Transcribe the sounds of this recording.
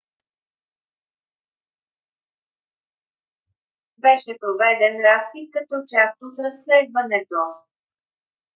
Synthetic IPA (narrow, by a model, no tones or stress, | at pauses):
bɛʃɛpɾovɛd̪ɛnɾaspit̪̚kɐt̪ɔt͡ʃast̪ot̪ɾɐsːlɛd̪vənɛt̪o